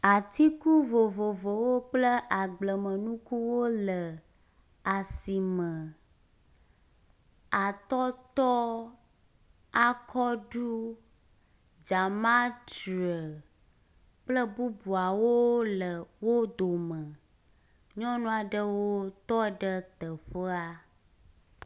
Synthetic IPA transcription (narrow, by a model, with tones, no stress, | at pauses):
a˨t̪i˦ku˦vo˨vo˨vo˨wo˦k͡plə˦ʔa˨ɡ͡blə˨mə̃˨nũ˦ku˦wo˦lə˨ | a˨si˨mə̃˨ | a˨t̪ɔ˦t̪ɔ˦ | a˦kʰɔ˦ɖu˦ | d͡ʒa˨mã˦t̪u˨ɛ˨ | k͡plə˦bu˦bu˨a˨wo˦lə˨wo˦d̪o˨mə̃˨ | ɲɔ̃˦nũ˦a˨ɖə˦wo˦t̪ɔ˦ɖə˦t̪ə˨ɸə˦a˦